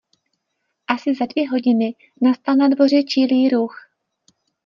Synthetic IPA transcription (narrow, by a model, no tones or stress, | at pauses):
ʔasɪzadvjɛɦo̞ɟɪnɪ | nast̪alnadvo̞r̝ɛt͡ʃiliːɾux